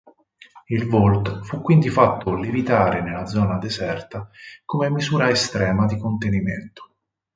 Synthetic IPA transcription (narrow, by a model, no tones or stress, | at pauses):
ilvolt̪fukːwind̪ifat̪ʰːolevit̪aːɾenelːad̪zːɔːnad̪ezɛrt̪akomemːizuːɾaest̪ɾɛːmad̪ikont̪enimḛnt̪o̥